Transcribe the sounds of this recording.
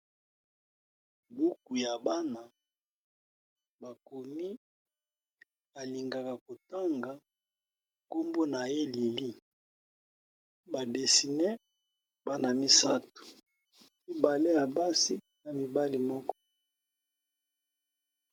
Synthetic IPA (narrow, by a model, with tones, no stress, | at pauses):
bu˦ku˨ja˨ba˦na˨ | ba˨ko˨mi˦ | ba˨li˨ŋɡa˨ka˨ko˨ta˦ŋɡa˨ | ko˦mbo˦na˨je˦li˨li˦ | ba˨de˨si˨ne˦ | ba˦na˨mi˦sa˦tu̥˨ | mi˦ba˨le˦ja˨ba˦si˦ | na˨mi˨ba˦li˨mɔ˦kɔ̥˦